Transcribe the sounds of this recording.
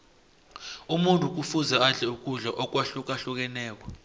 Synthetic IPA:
umuntʼuk̬ʼufuzaaɮɛuk̬ʼuɮaʔɔk̬ʼwaɬuk̬ʼaɬuk̬ɛnɛːk̬wɔ

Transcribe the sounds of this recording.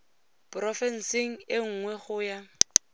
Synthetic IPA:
prɔfɛn̩sɪŋ̩ɪŋ̩ŋwɛχʊja

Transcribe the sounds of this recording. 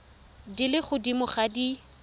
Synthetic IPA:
dilɪχʊdimʊχadi

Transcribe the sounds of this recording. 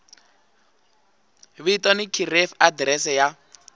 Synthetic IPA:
βiitɔnikʰirɛfadrɛsɛja

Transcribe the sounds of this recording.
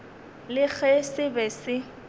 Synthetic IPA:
lɪk͡xʰɛsɪbɛsɪ

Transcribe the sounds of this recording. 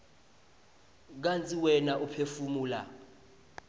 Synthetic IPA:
k̬ant͡sʼiwɛnaʔupʰefumuːla̰

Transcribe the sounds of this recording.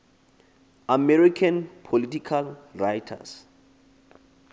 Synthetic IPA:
amɛɾikʰanpʰolitikʰalrajtʰa̰s

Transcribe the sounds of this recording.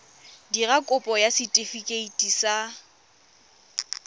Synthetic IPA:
dirakʼʊpʼɔjasɪtʼifikʼeitʼisa

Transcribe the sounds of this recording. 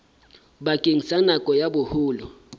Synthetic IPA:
ɓakʼeŋisanakʼɔjaɓʊhuːlɔ

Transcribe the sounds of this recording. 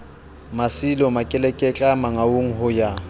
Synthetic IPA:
masilɔmakʼɛlɛkʼɛt͡ɬʼamaŋaoŋ̩ɦʊja

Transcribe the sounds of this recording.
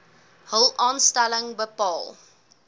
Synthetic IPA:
həlˠɑːnstɛləŋbəpɑːlˠ

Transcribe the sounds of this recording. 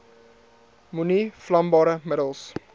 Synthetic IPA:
muniflɐmbɑːɾəmədəlˠs

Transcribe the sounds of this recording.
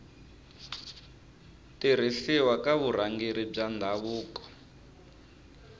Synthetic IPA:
tiɾ̤iɬiwakaβuɾaŋɡiɾib͡ʐandʱaβuːkɔ̥

